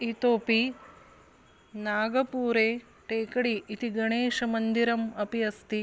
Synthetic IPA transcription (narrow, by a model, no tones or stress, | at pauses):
it̪oːpi | naːɡɐpuːɾeː | ʈeːkɐɽiːt̪iɡɐɳeːʃɐmɐnd̪iɾɐmɐpiɐst̪i